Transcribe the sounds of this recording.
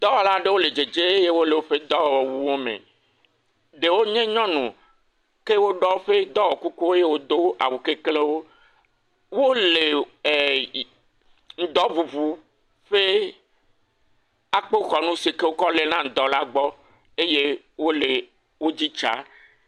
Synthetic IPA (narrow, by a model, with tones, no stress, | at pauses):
d̪̥ɔ˦wɔ˨la˦ɖe˦wo˦le˨d͡ʒe˨d͡ʒe˦e˦je˦wo˦le˨wo˦ɸe˦d̪ɔ˦wwɔ˨wu˦wo˦mḛ̃˨ | ɖe˨wo˦ɲẽ˦ɲɔ̃˦nũ˨ | ke˦wo˦ɖɔ˦o˦ɸe˦d̪ɔ˦wɔ˨ku˦ku˦e˦je˦wo˦d̪o˦a̰˨wu˨ke˦kle˦wo˦ | wo˦le˨ | ŋ̩˨d̪ɔ˦vu˨βu˨ | ɸe˦ | a˨k͡po˦xɔ˨nũ˦si˨ke˦wo˦kɔ˦le˦nã˦˨d̪ɔ˦la˦ɡ͡bɔ˦ | e˦je˦ | wo˦le˨ | wo˦d͡ʑi˦t͡ʃa̰˨˦